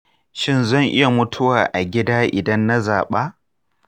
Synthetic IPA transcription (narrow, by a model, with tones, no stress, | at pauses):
ʃɪ˦nzɐ˦˨ŋʔɪ˦ja˨mʊ˦tʰʊ˦waː˨ʔa˨ɡʲɪ˦daː˦ʔɪ˨dɐ˦nːa˦zaː˨ɓaː˦